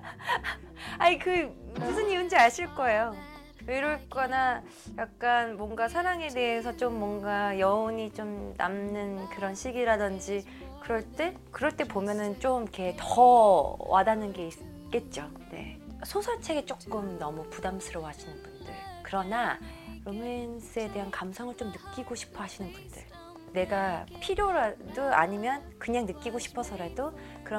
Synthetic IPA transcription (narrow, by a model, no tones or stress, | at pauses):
aikɯmusʰɯniund͡ʑiaɕʰiɭk͈ʌe̞jo | eɾoɭk͈ʌna | jak̚k͈anmwʌŋɡasʰaɾaŋe̞de̞ɦes̬ʰʌt͡ɕ͈omːwʌŋɡajʌoɲit͡ɕomna̰mnɯnkɯɾʌnɕʰiɡiɾadɯnd͡ʑi | kɯɾʌɭt͈e̞ | kɯɾʌɭt͈e̞pomjʌnɯnt͡ɕ͈omiketʌ | wʔa̰danɯnɡe̞is | k͈e̞t̚t͡ɕ͈o | ne̞̰ | sʰosʰat͡ɕʰe̞ɡet͡ɕ͈ok͈ɯmnʌmupudamsʰɯɾʌwɦaɕʰinɯnbundɯ̰ɭkɯɾʌnaɾomensʰɯe̞de̞ɦankamsʰʌŋɯɭt͡ɕ͈omnɯk͈iɡoɕʰi̥pʰʌɦaɕʰinɯnbundɯɭ | ne̞ɡapʰiɾjoɾadoa̰ɲimjʌnkɯɲaŋnɯk͈iɡoɕʰi̥pʰʌsʰʌɾado | kɯɾʌ